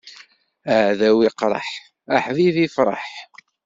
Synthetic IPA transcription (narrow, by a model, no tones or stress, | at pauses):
əʕðæwiqɾˤɑ̰ħ | aħðiθifɾˤɑ̰ħ